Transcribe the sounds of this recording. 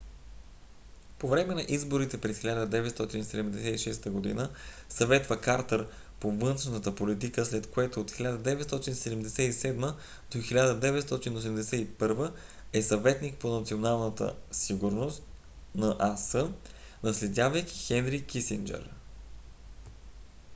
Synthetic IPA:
povɾɛmɛnɐʔizboɾit̪ɛpɾɛsxilʲad̪əd̪ɛvɛt̪st̪ɔt̪insɛd̪ɛmd̪ɛsɛiʃɛst̪əɡod̪ḭnəsɐvɛt̪vəkaɾt̪əɾ | povɤnʃnət̪əpolit̪̬ikəslɛt̪koɛt̪oːt̪xilʲad̪əd̪ɛvɛt̪st̪ɔt̪insɛd̪ɛmd̪ɛsɛisɛd̪mə | d̪̥oxilʲad̪əd̪ɛvɛt̪st̪ɔt̪inos̬ɛmd̪ɛsɛipɤɾvə | ɛsɐvɛt̪nik̚ponɐt̪sionalˠnət̪ə̰siɡuɾnost̪ | nɐʔasɤ | nɐslɛd̪ʲavəjk̟i̥xɛnɾikisind͡ʒɛ̰ɾ

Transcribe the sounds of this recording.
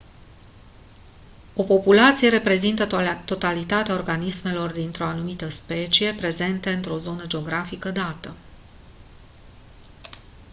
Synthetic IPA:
o̞po̞pulat̪sije̞ɾe̞pɾe̞zint̪ət̪o̞t̪alit̪at̪eaorɡanisme̞lo̞rd̪int̪ɾoanumit̪əspe̞t͡ʃije̞pɾe̞ze̞nt̪e̞ɨnt̪ɾo̞zo̞nəd͡ʒeo̞ɡɾafikəd̪at̪ə

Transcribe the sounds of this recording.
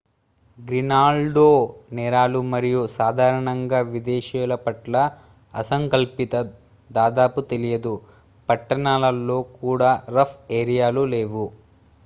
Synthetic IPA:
ɡɾinaːlɖoːnɛːɾaːlumɐɾijusaːd̪ʱaːɾɐɳɐŋɡaːʋid̪ɛːʃɛːlɐpɐʈlɐ | ɐsɐŋkɐlpit̪ɐ | d̪aːd̪aːput̪elijɐd̪u | pɐʈːɐɳaːlɐlːo̞ːkuːɽaːɾɐpʰeːɾijaːluleːʋu

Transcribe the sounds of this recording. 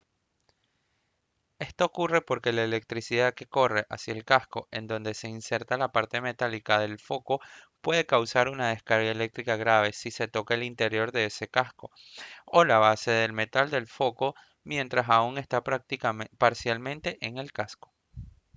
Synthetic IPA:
e̞st̪oːkure̞po̞ɾke̞laele̞k̚t̪ɾisiðaðke̞ko̞re̞ʔasjaelkasko̞ʔe̞nd̪o̞nd̪e̞se̞inse̞ɾt̪alapaɾt̪e̞me̞t̪alikaðe̞lfo̞ko̞pwe̞ðe̞kawsaɾunaðe̞skaɾɣaele̞k̚t̪ɾikaɣɾaβ̞e̞sise̞t̪o̞kaelint̪e̞ɾjo̞ɾðe̞ese̞kasko̞ | olaβ̞ase̞ðe̞lme̞t̪ald̪e̞lfo̞ko̞ | mje̞nt̪ɾasauŋe̞st̪apɾak̚t̪ipaɾsjalmẽ̞nt̪e̞ʔeŋe̞lkasko̞̥

